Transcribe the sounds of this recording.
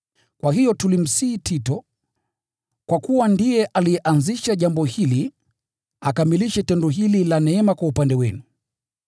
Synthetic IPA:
kwahijɔtulim̩siːtʰitɔ | kwakuwandijɛʔalijɛʔanziʃaʄambɔhili | akamiliʃɛtɛndɔɦililanɛɛmakwaupandɛwɛnu

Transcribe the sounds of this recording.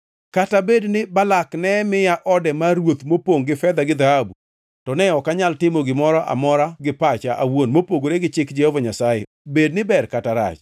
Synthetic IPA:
katabednɪbalaknɛmɪjaʔɔdɛmaɾwot̪mopoŋɡɪfɛd̪aɡɪd̪ahabu | tɔnɛɔkaɲaltɪmoɡɪmɔɾɔʔa̰mɔɾaɡɪpat͡ʃaʔawonmopoɡoɾeɡɪt͡ʃɪkd͡ʒɛhovaɲasajḛ | bednɪbɛrkataɾa̰t͡ʃ

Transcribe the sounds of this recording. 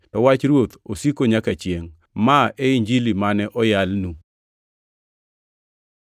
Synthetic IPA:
tɔwat͡ʃɾwot̪osikoɲakat͡ʃjeŋ | maʔeiɲd͡ʒilimanɛʔɔjalnu

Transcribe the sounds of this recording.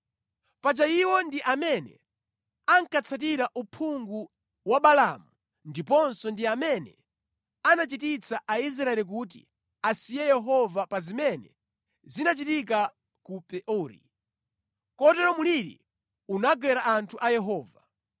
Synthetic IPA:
pat͡ʃaiwɔndiʔamɛnɛ̰ | aŋkat͡sʰat̬iɾaʔupʰuŋɡu | waɓalamu | ndipɔnsɔndiamɛnɛ̰ | anat͡ʃitit͡saʔais̬ɾaɛlik̬ut̬ḭ | asijɛjɛɦɔvapazimɛnɛ̰ | zinat͡ʃitik̬a | kupɛʔɔːɾḭ | kɔtɛɾɔmuliɾḭ | unaɡwɛɾaʔantʰuʔajɛɦɔːva

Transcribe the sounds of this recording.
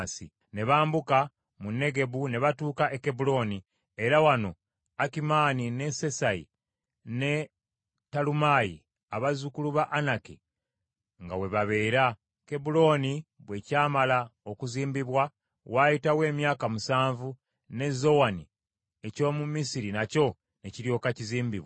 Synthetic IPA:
sḭ | ne̞βaːmbuka | munːe̞ɡe̞βune̞βatuːkaʔeke̞bulo̞ːni | eɾawano̞ | akimaːnine̞se̞saḭ | ne̞ | talumajḭ | aβazukuluβaʔanakḭ | ŋɡawe̞βaβe̞ːɾa | ke̞bulo̞ːniβwe̞ːcaːmalaokuziːmbiβwa | wajitawe̞ːmjaːkamusaːɱvu | ne̞zo̞wani | e̞co̞ːmumisiɾinaco̞ | neciɾjo̞ːkaciziːmbiβwa

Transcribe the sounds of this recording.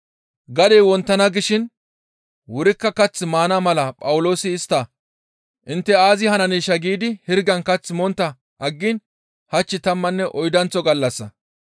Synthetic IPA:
ɡɐd̪eːwɔnt̪ːɐnɐɡɪʃɪn | wʊɾɪkːɐkɐt͡sːɪmaːnɐmɐlɐpʼɐwʊlo̞ːsɪːst̪ːa | ʔɪnt̪ːɛaːzɪhɐnɐniːʃɐɡiːd̪ɪhɪɾɡɐnkɐt͡sːɪmɔnt̪ːɐ | ʔɐɡːɪn | hɐt͡ʃːɪt̪ɐmːɐnːɛʔɔjd̪ɐnt͡sːɔɡɐlːɐsːɐ

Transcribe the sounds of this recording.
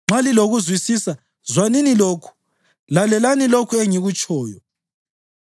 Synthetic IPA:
ŋ͡ǁaliloɣuzwisisa | zwaniniloːkʰu̥ | lalɛlanilokʰueŋiɣut͡ʃʼʰɔːjɔ

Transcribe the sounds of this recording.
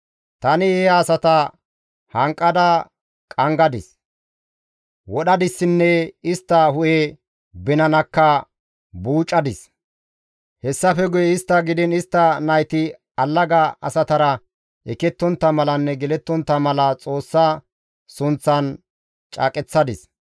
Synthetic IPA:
t̪ɐnɪɛaːsɐt̪ɐ | hɐŋkʼːɐd̪ɐ | kʼɐŋɡɐd̪ɪs | wɔɗɐd̪ɪsːɪnːɛɪst̪ːɐhʊʔɛ | bɛnɐnɐkːɐ | buːt͡ʃʼːɐd̪ɪs | hɛsːɐfɛɡʊjɛɪst̪ːɐɡɪd̪ɪnɪst̪ːɐnɐjt̪ɪ | ɐlːɐɡɐɐ̰sɐt̪ɐɾɐ | ʔɛkɛt̪ːɔnt̪ːɐmɐlɐnːɛɡɛlɛt̪ːɔnt̪ːɐmɐlɐt͡sʼo̞ːsːɐ | sʊnt͡sːɐn | t͡ʃʼɐ̰ːkʼɛt͡sːɐd̪ɪs

